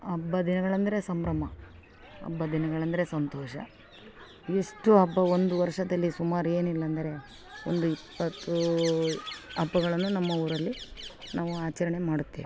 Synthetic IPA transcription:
ɐbːɐd̪inɐɡɐɭɐnd̪ɐɾe̞sɐmbɾɐm̤ɐ | ɐ̰bːɐd̪inɐɡɐɭɐnd̪ɐɾe̞sɐnt̪ɔːʃɐ̰ | eʂʈuɐbːɐond̪uʋɐɾʂɐd̪ɐlːisumaːɾue̞ːnilːɐːnd̪ɐɾe̞ | ond̪uipːɐt̪ːu | ɐbːɐɡɐɭɐnːunɐmːɐuːɾɐlːinaːʋuaːt͡ʃɐɾɐɳe̞maːɽut̪ːeːʋi

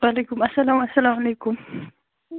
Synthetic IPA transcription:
walekʊmɐsɐlamɐsalamalekʊm

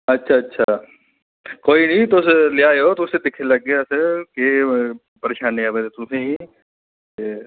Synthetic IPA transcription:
ɐtːʃʰaːɐtːʃʰaː | koːinĩːt̪oʊslɪjaːeoːt̪osed̪ɪkʰeləɡːejasəke | pəɾeːʃaːnːẽaːʋet̪et̪ʊsẽɦĩ | e

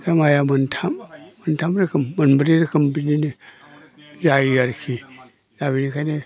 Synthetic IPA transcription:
damajamuntʰamːəntamɾikimːunbuɾiɾikimbinini | d͡ʒajijaɾkʰi | dabinikane

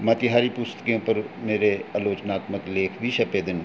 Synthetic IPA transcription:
mãːt̪ɪɦaːɾipʊst̪ə̥kiõpəɾmeːɾeəloːt͡ʃnaːt̪məkleːkʰbʱiʃɐped̪ɪñ

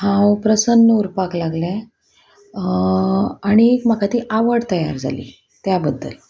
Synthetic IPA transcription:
hãwpɾəsənːəuɾpaklaɡlɛ̃ | aɽ̃iekm̤akat̪iːʔaʋəɽt̪əja̰ɾd͡zʱa̰lḭː | t̪jabəd̪ʱːə̰l

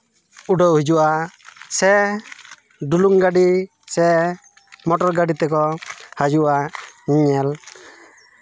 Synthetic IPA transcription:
uɖɔɦid͡ʒuʔasɛ | ɖuluŋɡaɖi | sɛ | mɔʈɔɾɡaɖit̪ɛkɔhad͡ʒuʔaɲiɲɛl

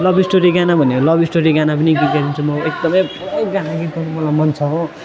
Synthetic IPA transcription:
lʌbʱisʈoɾiɡanabʱʌneolʌbisʈoɾiɡanap̬ʌniɡit̪ɡʌɾint͡sʰumʌekd̪ʌmʌjpuɾʌjɡanaɡit̪ɡʌnumʌlajmʌnt͡sʰʌɦo

